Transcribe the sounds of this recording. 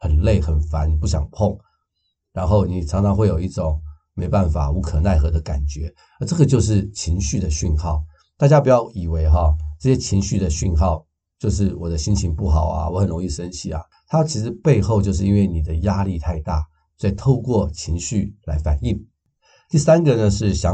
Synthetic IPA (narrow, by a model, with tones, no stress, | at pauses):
xə˨˩nle˥˩ɪxə˨˩nfa˧˥npu˥˩ɕ̬jɑ̰˨˩ŋpʰʊ˥˩ŋ | ɻa˧˥nxo˥˩ʊni˨˩ʈ͡ʂʰɑ˧˥ŋt͡sʰɑ˧˥ŋxwe˥˩ɪjo˨˩ʊi˥˩ʈ͡ʂʊ˨˩ŋ | me˧˥ɪpa˥˩nfa̰˨˩u˧˥kʰɤ˨˩na˥˩ɪxɤ˧˥d̪ə˧ka̰˨˩nt͡ɕɥɛ˧˥ | ə˞˧˥ʈ͡ʂɤ˥˩ɡə˨˩t͡ɕjo˥˧ʊʂ̬ɻ̩˥˩t͡ɕʰi˧˥ŋɕy˥˩d̪ə˩ɕy˥˧nxɑ˥˩ʊ | t̪a˥˩t͡ɕja˥pu˨˩jɑ˥˩ʊi˨˩we˧˥ɪxɑ˧ʈ͡ʂɤ˥˩ɕjɛ˥t͡ɕʰi˧˥ŋɕy˥˩d̪ə˩ɕy˥˧nxɑ˥˩ʊ | t͡ɕjo˥˧ʊʂ̬ɻ̩˥˩wɔ˨˩d̪ə˦ɕi˥nt͡ɕʰi˧˥ŋpu˥˩xɑ˨˩ʊa̰˦wɔ˧˦xə˨˩nɻʊ˧˥ŋi˥˩ʂə˥nt͡ɕʰi˨˩ɐ̰˩ | t̪ʰa˥t͡ɕʰi˧˥ʂɻ̩˧˥pe˥˧ɪxo˥˧ʊt͡ɕjo˥˧ʊʂ̬ɻ̩˥˩˧i˥nwe˥˩ɪni˨˩d̪ə˦ja˥li˥˧t̪ʰa˥˧ɪt̪a˥˩˧ | t͡sa˥˩ɪt̪ʰo˥˧ʊkwɔ˥˩t͡ɕʰi˧˥ŋɕy˥˩la˧˥ɪfa̰˨˩ni˥˩ŋ | t̪i˥˩sa˥nɡə˧nə˨ʂɻ̩˥˩ɕjɑ˧˦